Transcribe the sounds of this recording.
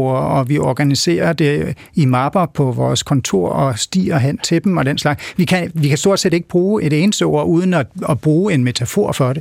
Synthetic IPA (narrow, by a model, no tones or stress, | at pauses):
ɐɒ̽ʋiɒɡ̥ænise̝̰ːɐd̥e̝ | imɑb̥ɐpʰɒ̽ʋɒːskʰɒ̽nt͡sʰo̝̰ɐ̰ɒ̽sd̥ḭːɐɦæn̰t͡sʰe̝b̥m̩ɒ̽d̥enslɑ̈ɡ̥sʋikʰæʋikʰæsd̥o̝ɐd̥sḛːd̥e̝ɡ̥əb̥ʁuːe̝ɾe̝ːnsd̥əɒ̰ɐuːð̞ˠn̩ɒɒb̥ʁuːe̝nme̝t͡sʰæfo̝̰ɐ̰fɒ̽d̥e̝